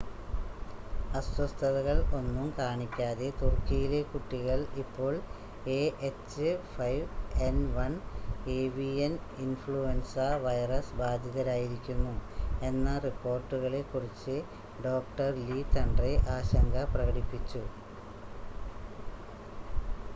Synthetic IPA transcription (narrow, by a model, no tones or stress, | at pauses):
ɐswɐst̪ʰɐðɐɣɐɭo̞nːumkaːɳikʲːaːðe̞t̪urkːijile̞kuʈːiɣɐɭipːo̞ːɭ | eʔet͡ɕːɨfɐjʋenʋɐɳe̞ːʋijɐninfɭuensɐʋɐjrɐsbaːd̪ʱjɐðɐɾaːjiɾikʲːunːue̞nːɐripːo̞ːrʈːuɣɐɭe̞kːurit͡ɕːɨ | ɖo̞ːk̚ʈɐrlit̪ɐɳɖreʔaːɕɐŋɡɐprɐɣɐɽipːit͡ɕːu